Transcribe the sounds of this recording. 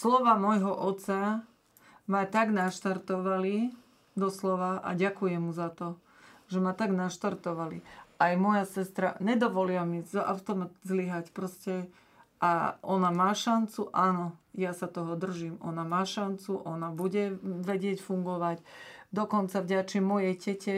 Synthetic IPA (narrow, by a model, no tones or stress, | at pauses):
slɔʋaːmɔjɦɔʔɔt̪t͡sa | mat̪aɡnaʃt̪aɾt̪ɔʋali | d̪ɔslɔʋaʔa̰ɟakujɛmːuzat̪ɔ | ʒ̥ɛmat̪aɡnaʃt̪aɾt̪ɔʋalḭajmɔjasɛst̪ɾa̰ɲɛd̪ɔʋɔlilamizʔa̰ʊt̪ɔmat̪zliɦacpɾɔscɛ | ʔaʔɔnamaːʃant͡suʔanɔjasat̪ɔɦɔd̪r̩ʒimʔɔnamaːʃant͡suʔɔnabuɟɛʋɛɟɪɛcfuŋɡɔʋaɟ | d̪ɔkɔnt͡savɟat͡ʃimɔjɛjɟɛcɛ